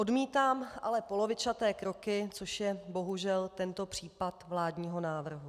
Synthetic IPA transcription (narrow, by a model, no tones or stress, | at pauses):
ʔo̞dmiːt̪aːmʔa̰lɛpo̞lo̞vɪt͡ʃat̪ɛːkɾo̞kɪt͡soʃjɛbo̞ɦuʒɛlt̪ɛnt̪o̞pr̥iːpat̪vlaːdɲiːɦo̞naːvr̩ɦu